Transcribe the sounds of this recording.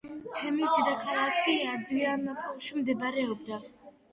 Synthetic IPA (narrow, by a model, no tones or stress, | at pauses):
t̪ʰɛmisd̪ɛd̪akʰaɾˠakʰiaɾd̪ianpʼɔlˠʃimd̪ɛbaɾɛɔb̚d̪a